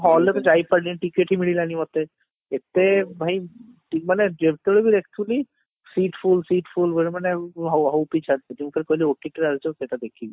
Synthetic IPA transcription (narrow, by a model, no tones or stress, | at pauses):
ɦɔlːet̪ɔd͡ʒajpəɽlinʈikeʈɦimiɽilanimɔt̪e | et̪ebʱaj | ʈikmaned͡ʒebt̪oɽebʱiɾekʰt̪ʰuli | siʈfʰulsiʈpʰulbeɾmaneɦɦɔwpit͡ʃʰad̪t̪ekimupʰeɾkɔlioʈiʈɾaɾd͡ʒoket̪ad̪ekʰibi